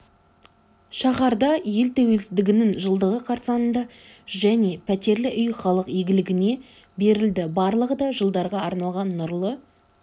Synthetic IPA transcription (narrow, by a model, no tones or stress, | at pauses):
ʃɑχɑɾd̪ɑje̞lt̪ʰæwe̞lsɪd̪ɪɡʲɪnɪŋʒəlˠd̪əʁəqʰɑɾsɑnənd̪ɑ | ʒæne̞pʰæt̪e̞ɾlɪʔʏjχɑlˠəqjeɡʲɪlɪɡʲɪne̞ | be̞ɾɪld̪ɪbɑɾlˠəʁəd̪ɑʒəlˠd̪ɑɾʁɑɑɾnɑlˠʁɑnːʊɾlˠə